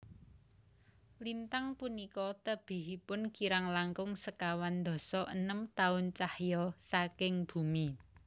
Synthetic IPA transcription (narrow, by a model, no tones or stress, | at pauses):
lint̪aŋpunikɔt̪əb̥i̤ɦipʊnkiɾaŋlaŋkʊŋsəkawand̪ɔ̤sɔʔənəmt̪aʊnt͡ʃahjɔsakɪŋb̥ṳmi